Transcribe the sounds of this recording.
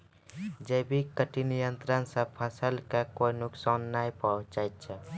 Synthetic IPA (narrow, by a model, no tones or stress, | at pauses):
d͡ʒəbʱikəʈinijənt̪ɾənsə̃pʰəsəlkakoinʊksanːajpat͡ʃajt̪̚t͡ʃʰɛ